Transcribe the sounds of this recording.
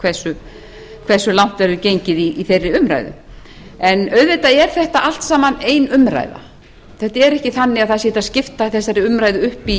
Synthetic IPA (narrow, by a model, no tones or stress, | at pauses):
kʰvɛsʏ | kʰvɛ̥sːʏlawn̥t̪vɛɾʏcejɲcɪðiːθejrːɪʏmɾa̰ːjðʏ̰ | ɛnœɥðvet̪aɛɾ̥θɛht̪aʔal̥t̪saːmaneːjnʏmɾa̰ːjða̰ | θɛht̪aɛɾɛhcɪθanːɪaðθaðsɛːt̪aðscɪft̪aiθɛsːaɾɪʏmɾaːjðʏʏhpi